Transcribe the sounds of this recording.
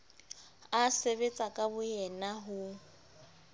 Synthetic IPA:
aseβet͡sʼakʼabʊjɛnaɦʊ

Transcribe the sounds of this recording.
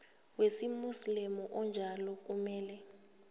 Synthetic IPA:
wesimuslimɔʔɔnd͡ʒʱalɔk̬ʼumɛːlɛ

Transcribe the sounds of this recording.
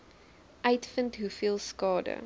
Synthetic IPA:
ʔœɥtfəntɦufiəlˠskɑːdə̰

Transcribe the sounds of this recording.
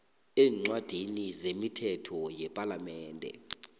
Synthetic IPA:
ɛːŋ͡ǀwad̥ʱinizemitʰɛtʰɔjɛpʼalamɛːndʱɛ̰

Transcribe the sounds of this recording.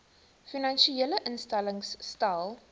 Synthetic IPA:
finɐnʃieləʔənstæləŋstɐlˠ

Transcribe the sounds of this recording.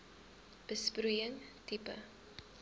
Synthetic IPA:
b̥əspɾujəŋtipə̰

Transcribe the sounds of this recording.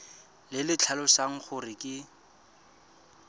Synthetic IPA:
lɪlɪt͡ɬʰalʊsaŋ̩χʊrɪkʼɪ

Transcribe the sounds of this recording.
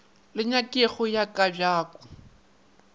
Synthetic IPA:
lɪɲakʼɪɣʊjakʼabjaːkʼɔ̥

